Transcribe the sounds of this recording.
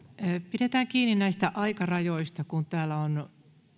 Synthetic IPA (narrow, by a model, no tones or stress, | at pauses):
piɾet̪æːŋkiːninnæist̪æʔɑikɑrɑjoist̪ɑkunt̪æːlæon